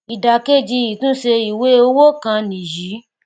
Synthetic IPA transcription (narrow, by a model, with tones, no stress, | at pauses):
i˨da˨ke˦˨d͡ʒi˧ji˨tũ˦ʃe˧i˨we˨˦o˧˦wo˦kã˧nĩ˨ji˨˦